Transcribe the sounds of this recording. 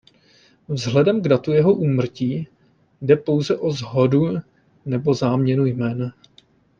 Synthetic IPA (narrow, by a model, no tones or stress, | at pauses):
vzɦlɛdɛmɡdat̪ujɛɦo̞ʔuːmr̩ciː | dɛpo̞wzɛʔo̞zɦodu | nɛbo̞zaːmɲɛnujmɛːna